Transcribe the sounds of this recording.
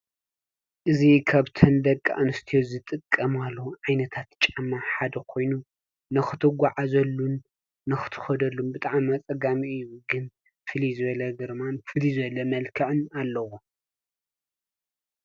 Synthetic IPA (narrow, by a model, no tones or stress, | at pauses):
ʔɨzikʰaβt̪ʰɐnd̪ɐkʼːa̰ʔnɨst̪ʰijozɨt̪ʼɨkʼːɐmalːoʕajnɐt̪ʰat̪t͡ʃʼamaħad̪ɐkʰo̞jnu | nɨxɨt̪ʰɨɡʷaʕazɐlːunː | ɨxɨ̥t̪ʰɨ̥xɐd̪ɐlːunbɨt̪ʼaʕmat͡sʼɐɡamiɨjuɡɨn | fɨlizɨβɐlɐɡɨɾmanfɨlizɨɐlɐmɐlkʰɐʕɨnalːɐwu